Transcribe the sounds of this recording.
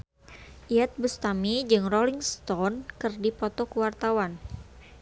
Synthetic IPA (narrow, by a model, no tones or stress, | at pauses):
ʔiat̪̚bust̪amid͡ʒɨŋrɔliŋst̪ɔnkɨrdipɔt̪ɔkəwart̪awan